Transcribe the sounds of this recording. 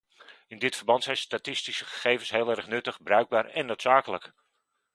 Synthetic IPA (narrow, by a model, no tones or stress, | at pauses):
ɪndɪtfərbɑntsɛjnstatɪstisəχə̥χejvənsɦeːlˠɛrχnɵtəχbrœɥɡ̚baːɹɛnːowtsaːkələk